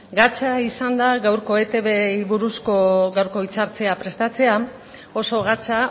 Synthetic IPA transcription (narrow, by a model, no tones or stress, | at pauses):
ɡat͡saisand̪aɣawɾko̞e̞t̪e̞βejβuɾusko̞ɣawɾko̞it͡saɾt͡se̞apɾe̞st̪at͡se̞a | o̞so̞ɣ̞at͡sa